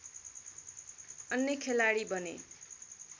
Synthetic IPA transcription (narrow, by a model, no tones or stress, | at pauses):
ʌnjekʰelaɽibʌnḛ